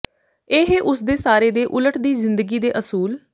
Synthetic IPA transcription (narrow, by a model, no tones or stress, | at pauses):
eːɦʔʊsd̪eːsaːɾeːd̪eːʔʊləʈd̪iːzɪnd̪əɡiːd̪eːʔəsuːl